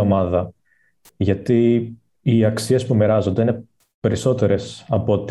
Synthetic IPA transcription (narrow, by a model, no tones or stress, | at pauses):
o̞mɐðɐ | ʝɐt̪iː | ɐksie̞spumeɾɐzo̞nd̪eine̞ | pe̞ɾiso̞t̪e̞ɾe̞sɐpo̞t̪